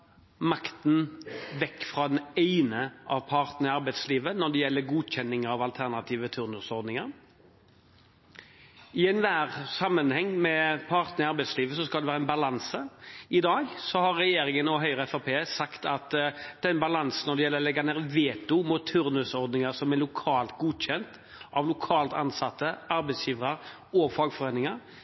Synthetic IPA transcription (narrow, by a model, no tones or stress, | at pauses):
mɑkt̪n̩ʋɛkːfɾɑːd̪ɛnæɪnəʔɑʋpʰɑɾt̪nəɪɑɾbæɪd̪sliːʋənɔɖ̪ɛjɛlːəɾɡuːd̪çɛnːɪŋəɑʋɑlt̪ʰæʁnɑt̪ʰiːʋət̪ʰʉɾnʉsɔɾd̪nɪŋəɾ | ɪɛnʋæːɾsɑmːənhɛŋːmɛpʰɑɾt̪nəɪɑɾbæɪsliːʋəsɔskɑld̪ɛʋæːɾəɛnbɑlɑnsəɪd̪ɑːɡsɔhɑɾːɛjeːɾɪŋənɔɦœʏɾəɛfɑpʰeːsɑkt̪ɑt̪d̪̥ɛnbɑlɑnsn̩ɔɾd̪ɛjɛlːəlɛɡɑnɛɾʋeːt̪ʊmʊt̪ʰːʉɾnʉsɔɾd̪nɪŋɑɾsɔmɛlʊkʰɑːlt̪ɡuːd̪ɕɛnt̪ | ʔɑʋlʊkʰɑːlt̪ɑ̰nsɑt̪ːəɑɾbɛɪsjiːʋɾɑɾ | ɔfɑɡfɔʁeːnɪŋɑɾ